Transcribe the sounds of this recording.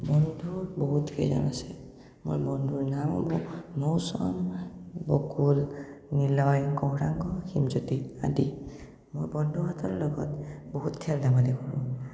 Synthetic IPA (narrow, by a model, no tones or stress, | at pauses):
bɔndʱuɹboɦutkʰḛjzɔ̰nasɛ | mo̰ɹbɔndʱuɹnama̰bɔnowsɔnbɔkulnilɔjkoɦɹaŋkɔximzotia̰di | mojbɔndʱɔbatʰɔɹlɔɡɔ̰tboɦutkʰɛldamalɛkɔɹũ